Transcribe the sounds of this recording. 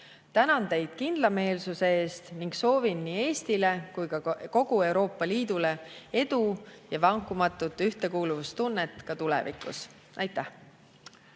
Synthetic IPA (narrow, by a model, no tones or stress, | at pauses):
t̪ænɑnt̪e̞jd̪̥kind̪lɑme̞ːlsuse̞eːst̪niŋɡso̞ːvinːiːe̞ːst̪ile̞kujkɑko̞ɡ̥ue̞wɾo̞ːpːˑɑliːd̪̥ule̞e̞d̪̥ujɑvɑŋkːˑumɑt̪ːˑut̪ːˑyht̪e̞kuːluvust̪unːet̪ːˑkɑt̪ulɛ̰vḭkːˑṵs | ʔɑjt̪ːˑæh